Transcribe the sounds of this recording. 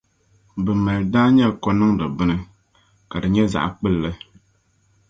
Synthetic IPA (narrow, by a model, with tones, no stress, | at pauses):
bɨ˨mɛ˨ldaː˦ɲɛ˦˨kɔ˦nɨ˦ŋdɨ˨bɨ˦nɨ˦ | ka˨dɨ˨ɲɛ˦za̰˨ʔk͡pɨ˦lːɨ˦